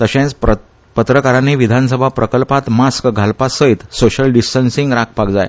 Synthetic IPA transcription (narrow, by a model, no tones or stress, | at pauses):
t̪əɕẽt͡s | pət̪ɾəkaɾaniʋid̪ʱans̬əbʱapɾəkəlpat̪maskɡʱalpasəit̪soɕəlɖisʈənsiŋɡɾak̚ʰpakd͡zaj